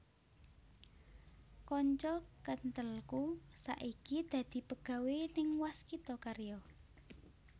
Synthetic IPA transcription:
kɔɲt͡ʃɔkənt̪əlkusa̰ʔikid̪̥ä̤d̪̥i̤pəɡ̥ä̤wenɪŋwaskit̪ɔkaɾjɔ

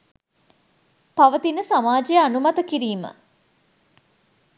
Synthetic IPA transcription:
paʋət̪inəsamaːd͡ʒejəanumat̪əkiɾiːmə̰

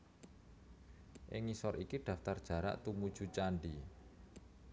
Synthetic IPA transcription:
ʔɪŋisɔɾikiɖ̥a̤ft̪ard̥ʒ̥a̤ɾa̰ʔt̪umud̥ʒ̥ṳt͡ʃanɖi

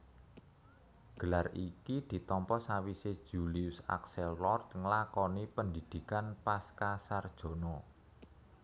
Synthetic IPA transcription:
ɡ̥ə̤larikid̪̥i̤t̪ɔmpɔsawised̥ʒ̥uliusa̰ksɛlːɔrt̪ŋəlakɔnipənd̪id̪̥i̤kanpaskasard̥ʒ̥o̤nɔ

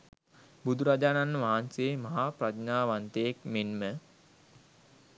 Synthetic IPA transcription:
bud̪ʱuɾad͡ʒaːnanːəʋaɦanseːmaɦapɾad͡ʒnaːʋant̪eekmenmə

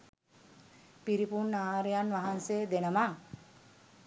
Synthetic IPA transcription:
piɾipunːaːɾejanʋaɦanseːd̪enəma

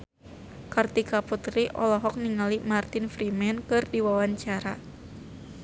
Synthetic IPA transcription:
kart̪ikaput̪ɾiʔɔlɔɦɔk̚niŋalimart̪infɾimɛnkɨrdiwawaɲt͡ʃaɾa

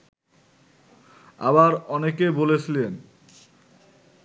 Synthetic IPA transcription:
a̰baɾɔnekebolet͡ɕʰilen

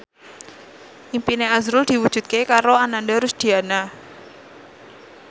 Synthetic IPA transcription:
ʔimpineazɾʊld̪̥i̤wu̥ʒ̥ṳt̪̚kekaɾoanandaɾusd̪̥i̤ana

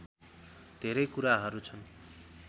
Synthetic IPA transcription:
d̪ʱeɾʌjkuɾaɦʌɾut͡sʰʌn

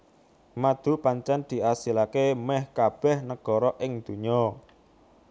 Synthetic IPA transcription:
mad̪̥ṳpaɲt͡ʃand̪̥i̤asilakemɛhkab̥ɛ̤hnəɡ̥ɔ̤ɾɔʔɪŋd̪̥ṳɲɔ

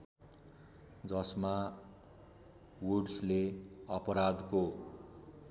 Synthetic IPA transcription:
d͡zʌsma | woɖsleʌpʌɾad̪ko

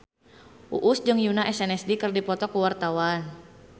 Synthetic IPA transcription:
ʔuʔusd͡ʒɨŋjunaʔɛsɛnɛsdikɨrdipɔt̪ɔkuwart̪awan

